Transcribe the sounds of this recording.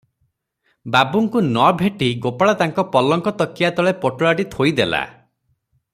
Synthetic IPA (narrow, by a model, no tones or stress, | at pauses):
babuŋkunɔbʱeʈiɡopaɭat̪aŋkɔpɔlɔŋkɔt̪ɔkːijat̪ɔɭepoʈoɭaʈit̪ʰojd̪ela̰